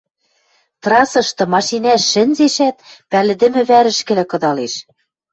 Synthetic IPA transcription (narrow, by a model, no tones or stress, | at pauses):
t̪rɑsɤ̆ʃt̪ɤ̆mɑʃinæʃːɘ̆nʲzeʃæt̪̚pælɘ̆d̪ɘ̆mɘ̆βæɾɘ̆ʃkɘ̆lɘ̆kɤ̆d̪ɑleʃ